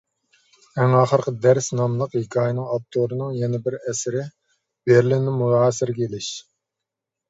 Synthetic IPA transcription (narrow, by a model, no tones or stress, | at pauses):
æŋɑːχəɾqəd̪æɾsnɑmlˠəqhikʲʰɑːjnɨŋɑp̚t̪ʰoɾɨnɨŋjɛnɪbɪɾɛsɪɾɪ | b̥eɾlɪnɪmuɑːsɪɾɡʲelɪʃ